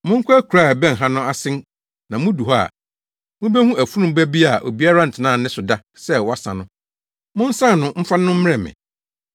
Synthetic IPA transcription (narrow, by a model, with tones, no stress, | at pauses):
mʊ̃˦ŋ̩˦kʰʷæ˦kʰu˨ɾa˦˨bɛ̃˦n˨ɦã˦nʊ̃˦a˦sɪ̃˦n | nã˨mʊ̃˦du˨ɦɔ˦a̰˨ | mʊ̃˦bɛ˦hũ˦ʔæ˨fu˦nʊ̃˦bæ˦bi˦a˨ʔo̰˨bi˦a˦ɾa˦n̩˨tʰɪ˨nã˦˨nɪ̃˦sʊ˨da˦ | sɛ˦wɔ˦a˦sã̰˨nʊ̃˦ | mʊ̃˦n̩˦sã˦˨nʊ̃˦m̩˦fa˦n˦ʊ̃˦m̩̃˦ɾɛ˨mɪ̰̃˨